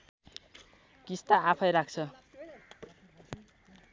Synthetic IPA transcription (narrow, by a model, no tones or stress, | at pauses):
kist̪aapʰʌjɾak̚t͡sʰʌ